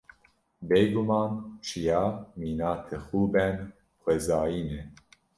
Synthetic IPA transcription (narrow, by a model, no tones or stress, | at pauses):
bejɡumɑːnt͡ʃʰijɑːmiːnɑːt̪ʰɛxuːbɛn | xwɛzɑːjiːnɛ